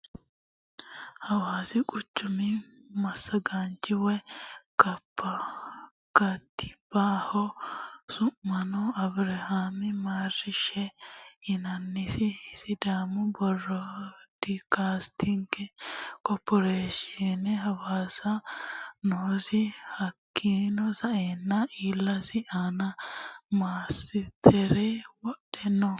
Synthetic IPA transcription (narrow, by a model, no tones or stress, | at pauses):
hɐwaːsɪkʼʊt͡ʃːʊmɪ | mɐsːɐɡaːnt͡ʃʼɪwɛkɐpːɐ | kɐt̪ːɪ̥b̥aːhɔsʊʔːɐnɔɐbɾɐhaːmɪmaːrɪʃɛhɪnɐnːɪsɪsɪd̪aːmʊbɔrːɔd̪̥ikast̪ʰɪŋkɛkɔpːɔɾeːʃɪɛnɛɦɐwaːsɐ | noːsɪhɐkʰːiːnɔsɐʔeːnːɐiːlːɐsɪʔaːnɐmaːsɪt̪ʰɛɾɛwɔɗɛnːɔ